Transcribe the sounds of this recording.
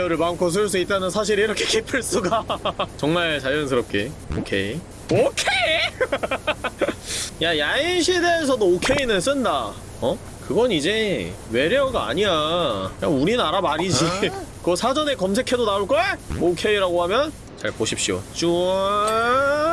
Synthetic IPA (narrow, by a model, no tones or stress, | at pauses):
ʌɾɯɭmamkʰos̬ʰɯɭs̬͈uit̚t͈anɯnsʰaɕ̬ʰiɾiɾʌkʰe̞kepʰɯɭs͈uɡat͡ɕʌŋmaɭt͡ɕajʌnsʰɯɾʌp̚k͈e̞o̰kʰe̞i | okʰe | jajaiɕʰide̞ːsʰʌdookʰe̞inɯns͈ɯnda | ʌ | kɯɡʌnid͡ʑe̞we̞ɾjʌɡaa̰ɲiajauɾinaɾamaɾid͡ʑikʌsʰad͡ʑʌne̞kʌmsʰe̞kʰe̞donauɭk͈ʌeokʰe̞iɾaɡoɦamjʌn | t͡ɕaɭpoɕʰip̚ɕ͈io̰t͡ɕuʌ